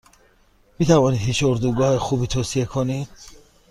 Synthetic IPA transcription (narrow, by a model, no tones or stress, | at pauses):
miːt̪ʰævɒːniːd̪hiːʃoɾd̪uɡɒːhexuːbiːt̪ʰoːsie̞kʰonid̪̥